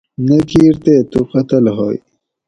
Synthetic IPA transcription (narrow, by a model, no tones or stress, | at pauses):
nekʰiːɾt̪et̪uqɐt̪ɐlɦo̰ːj